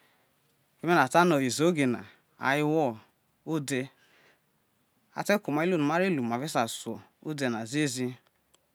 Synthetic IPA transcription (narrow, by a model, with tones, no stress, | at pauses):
e˦me˦na˨ta˦nɔ˨i˨zo˨˦ɡe˨na̰˨ | a̰˨jɪ˦wɔ˦ | o˦de˧ | a̰˦te˦ku˨ma˨˦i˦lo˦˨u˨ma˦ɾe˦˨lu˨ma˨ve˦sa˨su˨ɔ˨o˦de˦na˨ze˦zi˦